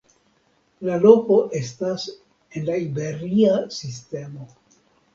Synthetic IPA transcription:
lalo̞ko̞ʔe̞stas | e̞nlaibe̞ɾiasiste̞mo̞

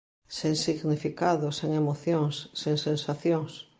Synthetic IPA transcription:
sẽŋsiɣnifikaðoseŋemoθjõŋsːeŋsẽnsaθjoŋs

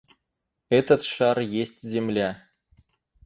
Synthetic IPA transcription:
ɛt̪ə̆t̪ʃɑɾjesʲtʲzʲemlʲæ

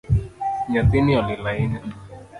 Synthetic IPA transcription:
ɲat̪iniɔlilaini

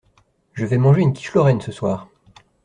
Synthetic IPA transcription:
ʒəvɛmɑ̃ʒeynkʲi̥ʃlɔʁɛnsəswaːʁ

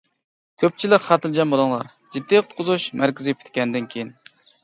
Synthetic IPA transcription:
kʲʰøp̚t͡ʃʰilɪkʲχɑt̪ʰɨld͡ʒɛmbolˠɨŋlˠɑ̰ɾ | d͡ʒid̪ːiqʰə̥t̪̚qʰʊzuʃmæɾkʲɪzɪpʲʰi̥t̪kʲɛnd̪ɪnkʲʰejin

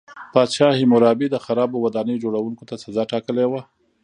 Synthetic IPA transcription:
pɑʃɑhɪmoɾɑbid̪əxaɾɑbowad̪ɑnəjd͡ʒoɽawuŋkot̪asazɑʈɑkəlewa

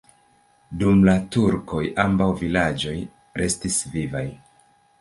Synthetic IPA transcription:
dumlatuɾko̞jʔambawvilad͡ʒo̞j | ɾe̞stisvivaj

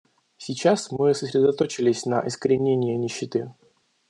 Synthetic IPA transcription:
sʲɪt͡ɕasmɨsə̥sʲɾʲɪd̪ɐt̪o̞t͡ɕɪlʲɪsʲnɐ̰ʔɪskəɾʲɪnʲenʲɪjənʲɪɕːɪt̪ɨ

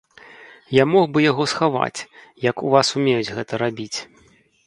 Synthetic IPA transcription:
jamɔɣbɨjaɣɔsxava̰t͡sʲjɐkuvasumʲejud͡zʲɣɛt̪ɐɾabʲit͡sʲ

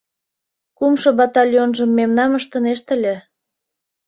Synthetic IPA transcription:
kumʃŏbɑt̪ɑlʲjonʒəmːemnɑməʃt̪ə̆neʃt̪əlʲe

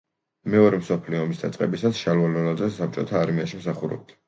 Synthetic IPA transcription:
mɛɔɾɛmsɔpʰliɔɔmisd̪at̪sʼqʼɛbisasʃalvalɔlad̪zɛsap̚t͡ʃʼɔt̪ʰaːɾmiaʃimsaχuɾɔ̰b̚d̪ʰ

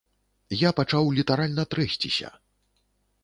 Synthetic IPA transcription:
japat͡ʂawlʲit̪aɾalʲnɐt̪ɾɛsʲt͡sʲisʲɐ̰

